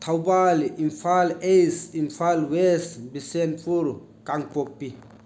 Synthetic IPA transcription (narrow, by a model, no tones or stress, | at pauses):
t̪ʰawbalimfalejsinfalwesbisenfʰuɾ | kaŋpok̚pi